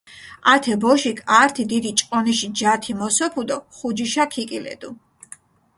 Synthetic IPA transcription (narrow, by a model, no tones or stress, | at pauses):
at̪ʰɛbɔʃikʼaɾt̪ʰid̪id̪it͡ʃʼqʼɔniʃid͡ʒat̪ʰimɔsɔpʰud̪ɔχud͡ʒiʃakʰikʼilɛ̰d̪u